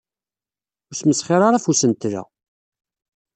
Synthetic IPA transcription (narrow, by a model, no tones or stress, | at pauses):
ʊsməsχɪɾˤaɾˤafusənt̪ɾæ̰